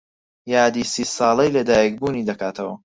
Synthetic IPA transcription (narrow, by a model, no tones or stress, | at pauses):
jaːd̪isiːsɑːlˠɐjlɐd̪aːjɐk̚buːniːd̪ɐkaːt̪ʰɐwɐ̰